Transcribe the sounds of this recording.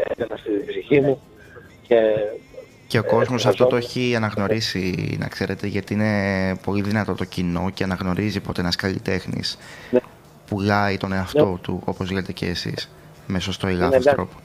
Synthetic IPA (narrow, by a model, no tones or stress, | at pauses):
ekɐnɐsibsiçimu | ce | ceoko̞zmosɐft̪o̞t̪oeçiɐnɐɣno̞ɾisinɐ̰kse̞ɾe̞t̪e̞ʝɐt̪iine̞po̞liðinɐt̪o̞t̪o̞cino̞ceɐnɐɣno̞ɾizipo̞t̪eenɐskɐlḭt̪e̞xnḭs | pulɐit̪o̞ne̞ɐft̪o̞t̪ṵo̞po̞zʝinet̪e̞ceːsḭs | me̞so̞st̪oelɐost̪ɾo̞po̥